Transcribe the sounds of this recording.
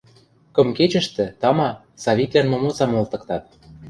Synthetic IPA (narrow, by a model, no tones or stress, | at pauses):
kɤ̆mket͡ɕə̆ʃt̪ɘ̆t̪ɑmɑ | sɑβit̪lʲænmomot͡sɑmolt̪ɤ̆kt̪ɑt̪̚